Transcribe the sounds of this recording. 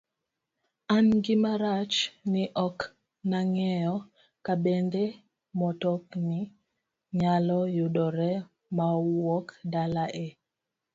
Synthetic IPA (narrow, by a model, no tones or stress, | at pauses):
anŋɡimaɾat͡ʃniʔɔk | naŋɛjɔ | kaɓɛndɛ | mɔtɔkni | ɲalɔjuɗɔɾɛ | mawɔkdalaʔe